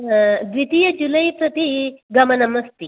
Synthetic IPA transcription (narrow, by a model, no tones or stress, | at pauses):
d̪ʋit̪ijɐd͡ʒulɐjpɾɐt̪iɡɐmɐnɐmɐst̪i